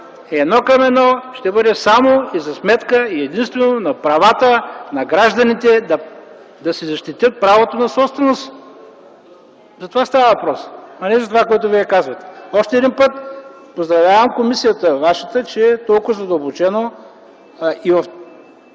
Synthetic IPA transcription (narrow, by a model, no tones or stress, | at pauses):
ɛd̪nɔkɐmɛnɔʃt̪ɛbɤd̪ɛsamoizɐsmɛt̪kəiɛd̪inst̪vɛnonɐpɾɐvat̪ənɐɡɾaʒd̪ɐnit̪ɛd̪ɐ | d̪ɐsizɐʃt̪it̪ʲjət̪̚pɾavot̪onɐsɔpst̪vɛnos | zɐt̪ovast̪avəvɐpɾɔsɐnɛzɐt̪ovakoɛt̪ʊviɛkazvɐt̪ɛ̥ɔʃt̪ɛːd̪inpət̪ | pozd̪ɾɐvlʲavəmkomisijət̪əvaʃət̪ət͡ʃɛːt̪ɔlˠkʊzɐd̪əlˠbot͡ʃɛno | ivɐf